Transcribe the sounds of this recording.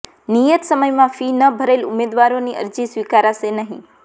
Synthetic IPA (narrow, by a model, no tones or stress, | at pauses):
nijət̪səməjmãfinəbʱəɾelumed̪ʋaɾoniʔə̰ɾd͡ʒisʋikaɾaʃenəɦḭ̃